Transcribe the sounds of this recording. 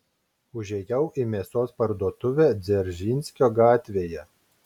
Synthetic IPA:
ʊʒʲɛjɛʊʔiːmʲeːsoːspɐɾd̪uɔt̪ʊʋʲæːd̪zʲɛɾʲʒʲiːnʲsʲkʲoːɡɑːt̪ʲʋʲeːjɛ

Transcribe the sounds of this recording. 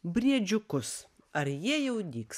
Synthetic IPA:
bʲɾʲiɛd͡ʒʲʊkʊs | ɐɾjiɛjɛʊd̪ʲiːks

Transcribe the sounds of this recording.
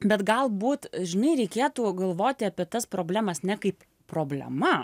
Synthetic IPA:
bʲɛt̪ɡɐlˠbuːt̪ʒʲɪnɐɪɾʲɛɪkʲeːt̪uːɡɐlˠʋoːt̪ʲɪɐpʲiɛt̪ɐspɾoːbʲlʲæːmɐsnʲɛkɐɪp | pɾoːbʲlʲɛ̰mɐ

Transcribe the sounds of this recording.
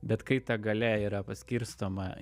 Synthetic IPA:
bʲɛt̪kɐɪt̪ɐɡɐlʲæiːɾɐpɐsʲkʲɪɾst̪oːmɐ

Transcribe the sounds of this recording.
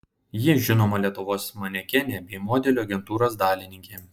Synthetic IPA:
jɪʒʲɪnoːmɐlʲiɛt̪ʊʋoːsmɐnʲɛkʲɛnʲeːbʲɛɪmoːd̪ʲɛlʲuːɐɡʲɛnt̪uːɾoːsd̪ɑːlʲɪnʲɪŋʲkʲeː

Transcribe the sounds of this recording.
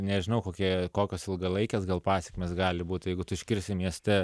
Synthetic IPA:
nʲɛʒʲɪnɐʊkoːkʲiɛkoːkʲoːsɪlˠɡɐlˠɐɪkʲeːsɡɐlˠpɑːsʲɛkʲmʲeːsɡɑːlʲɪbuːt̪ʲjɛɪɡʊt̪ʊɪʃʲkʲɪɾʲsʲɪmʲiɛsʲt̪ʲɛ

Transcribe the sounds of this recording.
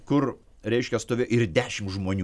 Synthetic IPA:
kʊr | ɾʲɛɪʃʲkʲɛst̪oːʋʲeːʔɪɾd̪ʲæːʃʲɪmʒmoːnʲu

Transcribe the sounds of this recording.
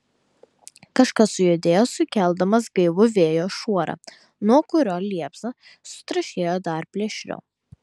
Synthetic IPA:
kɐʃkɐsʊjod̪ʲeːjoːsʊkʲɛlˠd̪ɐmɐsɡɐɪʋʊʋʲeːjoːʃuɔɾɐ̰ː | nuɔkʊɾʲoːlʲiɛpsɐ | sʊ̥t̪ɾɐʃʲeːjoːd̪ɐˑɾpʲlʲɛʃʲɾʲɛ̰ʊ

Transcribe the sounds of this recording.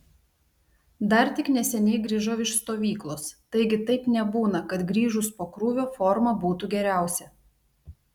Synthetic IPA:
d̪ɐɾt̪ʲɪknʲɛsʲɛnʲɛɪɡɾʲiːʒɐʊɪʃst̪oːʋʲiːklˠoːst̪ɐɪɡʲɪt̪ɐɪpnʲɛbuːnɐkɐt̪ɡɾʲiːʒʊspoːkɾuːʋʲoːfɔɾmɐbuːt̪uɡʲɛɾʲæˑʊsʲɛ

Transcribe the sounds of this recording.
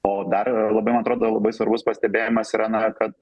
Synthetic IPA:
oːd̪ɐrlˠɐbɐɪmɐnɐt̪ɾoːd̪oːlˠɐbɐɪsʋɐɾbʊspɐsʲt̪ʲɛbʲeːjɪmɐsiɾɑnɐkɐt̪̚

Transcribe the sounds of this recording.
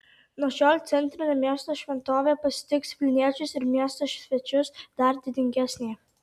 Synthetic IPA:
nɔʃɔlʲt̪sʲɛnt̪ɾɐnɐmʲɛst̪ɔʃʋʲɛnt̪ɔvɛpɐsʲt̪ʲɪkspʲlʲinʲɛt͡ʃusɪɾmʲjɛst̪ɔʃvʲɛt͡ʃʊsd̪̥aɾd̪ʲɪd̪ʲɪŋʲɡʲɛsʲnʲij

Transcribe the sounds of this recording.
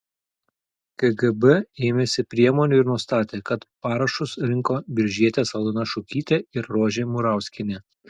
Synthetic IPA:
kɛɡɛbɛeːmʲeːsʲɪpʲɾʲiɛmoːnʲuːɪɾnʊɔst̪ɑːt̪ʲeːkɐt̪pɑːɾɐʃʊsɾʲɪŋkoːbʲɪɾʲʒʲiɛt̪ʲeːsɐlˠʊnɐʃʊkʲiːt̪ʲeɪɾːoːʒʲeːmʊɾɑˑʊsʲkʲɪnʲeː

